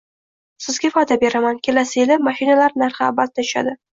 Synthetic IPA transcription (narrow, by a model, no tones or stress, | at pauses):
sɪzɡʲafɒjd̪abe̞ɾamankʲʰe̞lasɪelɪpmaʃɪnalaɾnaɾχabat̪̚ːaɪ̥ʃa̰d̪ɪ